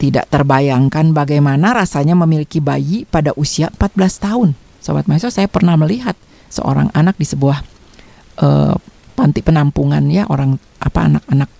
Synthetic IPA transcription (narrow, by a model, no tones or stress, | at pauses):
t̪ida̰ʔt̪ərbajaŋkanbaɡajmanaɾasaɲaməmilikibajipadaʔusiaʔəmpat̪̚bəlast̪aʊn | sobat̪̚majsɔsajapərnahməliɦat̪̚ | sə̰ʔo̰ɾa̰ŋanak̚disəbuah | ʔə̰pant̪ipənampuŋanjaʔoɾaŋ | ʔa̰paːnak̚anak̚